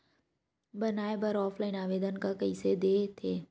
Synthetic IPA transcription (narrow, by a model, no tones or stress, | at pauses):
bənaːebəɾɔːpʰlaːɪnaːʋeːd̪ənkakɐised̪eːt̪ʰeː